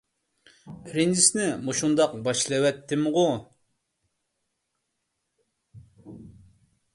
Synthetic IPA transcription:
ɾind̪isnɪmoʃund̪ɑq̚bɑʃlˠɛwɛt̪ːɪmʁu

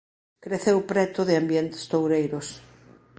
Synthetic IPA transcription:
kɾeθewpɾɛt̪ʊðɪambjɛnt̪ɪ̥st̪owɾejɾʊs

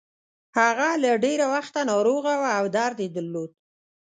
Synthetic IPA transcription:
haɣalaɖeɾawaxt̪anɑɾoɣawaːwd̪ɑɾd̪ed̪əɾlod̪̚

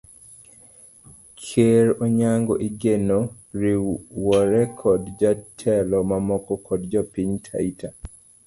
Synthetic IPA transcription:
kʰeɾoɲaŋɡɔʔiɡeno | ɾiwɔɾɛkʰɔdd͡ʒatʰɛlɔmamɔkɔkʰɔdd͡ʒɔpiɲtʰa̰ita

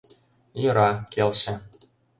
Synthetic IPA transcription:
jøɾɑkelʃɘ̆

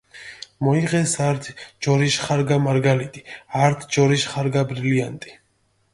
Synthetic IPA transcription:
mɔiʁɛsaɾt̪ʰd͡ʒɔɾiʃχaɾɡamaɾɡalit̪ʼiaɾt̪ʰd͡ʒɔɾiʃχaɾɡabɾiliant̪ʼi̥

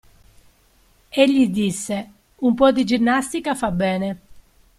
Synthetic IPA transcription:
eʎːid̪isːe | umpɔd̪id͡ʒinːast̪ikafabɛːne

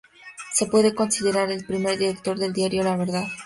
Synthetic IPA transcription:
se̞pwe̞ðe̞ko̞nsiðe̞ɾaɾe̞lpɾime̞ɾðiɾe̞k̚t̪o̞ɾðe̞ld̪jaɾjolaβ̞e̞ɾðað

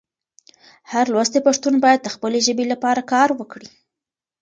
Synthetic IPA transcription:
haɾlwast̪epaʂt̪unbɑjad̪̚ːəxpəleʒəbelapɑɾakɑɾwəkɽi

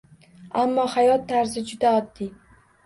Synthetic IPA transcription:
amːɒhajɒt̪ʰːaɾzɪd͡ʒʊd̪aɒd̪ːɪ

